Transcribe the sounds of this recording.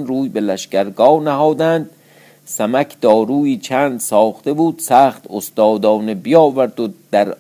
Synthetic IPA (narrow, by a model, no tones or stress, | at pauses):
nɾuːjbelæʃkæɾɡɒːnæɦɒːd̪ænd̪ | sæmækʰd̪̥ɒːɾuːiːt͡ʃʰæːnd̪sɒːχt̪ebuːd̪̥sæːχt̪ost̪ɒːd̪ɒːnebijɒːvæɾd̪od̪̥æɾ